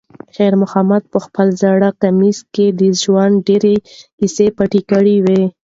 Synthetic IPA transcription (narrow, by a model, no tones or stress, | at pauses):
xeɾmʊxamad̪̚pəxpəlzaɽakamisked̪əʒwanɖeɾeisepaʈikaɽiwe